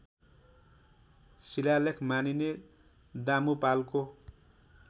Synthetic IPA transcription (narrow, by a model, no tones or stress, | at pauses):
silalekʰmanine | d̪amupalko